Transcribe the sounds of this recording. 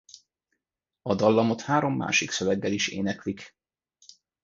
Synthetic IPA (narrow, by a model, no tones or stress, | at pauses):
ɒd̪ɒlːɒmo̞t̪haːɾo̞mːa̰ːʃiksøvɛɡːɛliʃḛːnɛklik